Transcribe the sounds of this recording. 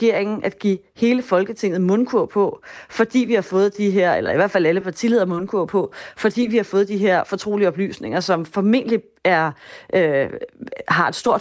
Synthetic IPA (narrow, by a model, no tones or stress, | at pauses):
ɡ̥e̝ɐ̰eŋn̩ʔæd̥ɡ̥ḭ | he̝ːləfɒ̽lɡ̥ət͡sʰe̝ŋ̰ð̩ˠmɔ̽nkʰuɐ̰pʰɒ̽fɒ̽d̥ḭːʋihɑ̈fɔ̽ːð̞̩ˠd̥iɦeɐ̰elɐiʋæɐ̰̥fælæləpʰɑ̈t͡sʰilið̞̰ˠɐmɔ̽nkʰuɐ̰pʰɒ̽fɒ̽d̥ḭːʋihɑ̈fɔ̽ːð̞̩ˠd̥iɦe̝ɐ̰fɒ̽t͡sʰʁo̝̰ːliɒ̽b̥ly̰ːsne̝ŋɐsɒ̽mfɒ̽me̝n̰dəli | æɐʔø | ɦɑ̈e̝d̥sd̥o̝ɐ̰d̥